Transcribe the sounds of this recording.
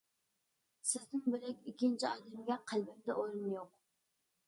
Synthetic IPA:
sɪznɪŋbɪlɛkʲikʲːint͡ʃʰiɑːd̪ɛmɡʲɛqʰælbɛmd̪ɛʔoɾɨnjoq

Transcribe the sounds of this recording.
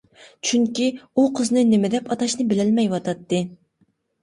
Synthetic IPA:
t͡ʃʰyŋkʲiuqʰəznɨnɪmɪd̪ɛpʰɑt̪ɑʃnɨbɪlɪlmɛjwɑt̪ʰɑt̪ːɨ

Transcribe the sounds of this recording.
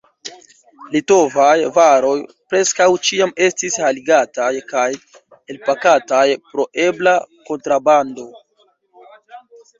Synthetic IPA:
lito̞vajvaɾo̞j | pɾe̞skawt͡ʃiame̞stishaliɡatajkaj | e̞lpakatajpɾo̞ʔe̞blako̞ntɾabando̞

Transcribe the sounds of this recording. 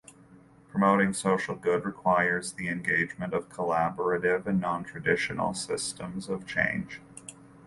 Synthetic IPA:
pʰɹ̥əmoʊɾɪ̃ŋsoʊʃl̩ˠɡʊd̚ɹɨkʰw̥aɪə˞zðiɨ̃nɡeɪd͡ʒmɨ̃ntʌv̥kʰəlæbə˞ɨɾɪvɨ̃nːɑ̃ntʰɹ̥ɨdɪʃɨnl̩ˠsɪstə̃mzʌv̥t͡ʃʰḛ̃ɪ̃n̥ʒ̥

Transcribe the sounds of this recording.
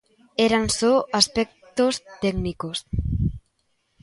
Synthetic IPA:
eɾansoaspek̚t̪ost̪ɛɡnikos

